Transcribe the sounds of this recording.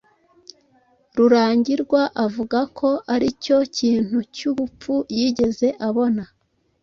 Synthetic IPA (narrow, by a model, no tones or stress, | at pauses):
ɾuɾaːɲɟiɾɡwaʔavuɡakʰo̞aɾico̞ciːn̥hucuβup͡fujiːɟe̞ze̞ʔaβo̞na